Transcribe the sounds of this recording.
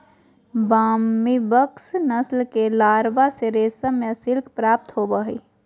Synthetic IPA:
baːmibəksnəslkelaːɾbaseɾeːsəmẽsɪlkʰpɾaːp̚t̪ɦobəɦi

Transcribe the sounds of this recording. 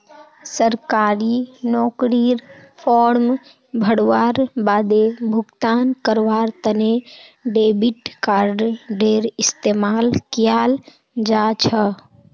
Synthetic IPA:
səɾkaːɾinɔːkɾiɾpʰɔɾm | bʱəɽʋaɾbaːd̪ebʱuɡt̪ankəɾʋaːɾt̪əneɖebiʈkaːɾɖɖeɾist̪emalkijal | d͡ʒat͡ʃʰə

